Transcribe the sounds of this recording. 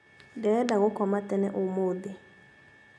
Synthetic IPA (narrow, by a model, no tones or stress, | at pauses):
dɛdaɣʊkɔmatɛnɛ̰ʔomoːdɪ